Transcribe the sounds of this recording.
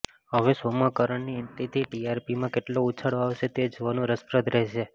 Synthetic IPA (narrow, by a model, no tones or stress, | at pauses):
ɦəʋesomakəɾəɳniɛnt̪it̪ʰiʈiaɾpimãkeʈlout͡ʃʰaɽoaʋʃet̪ed͡ʒoʋanũɾəspɾəd̪ɾɛɦʃe